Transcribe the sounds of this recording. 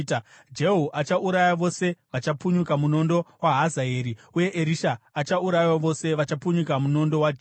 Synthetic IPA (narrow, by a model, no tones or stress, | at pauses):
d͡ʒe̞ɦuʔat͡ʃaʔuɾajaʋo̞se̞ʋat͡ʃapuɲukamuno̞ndowaɦazaeːɾiuje̞ʔeɾiʃaːt͡ʃauɾajwaʋo̞se̞ʋat͡ʃapuɲukamuno̞ndo̞wad͡ʒ